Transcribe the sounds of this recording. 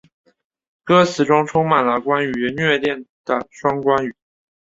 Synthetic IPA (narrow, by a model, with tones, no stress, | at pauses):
kɤ˥sʰɹ̩˨˩ʈ͡ʂʊ˥ŋʈ͡ʂʰʊ˥ŋma˨˩nlə˦kwa˥ny˧˥nɥɛ˥˧t̪jɛ˥˩nd̪̥ə̰˩ʂwɑ˥ŋkwa˥ny˨˩˥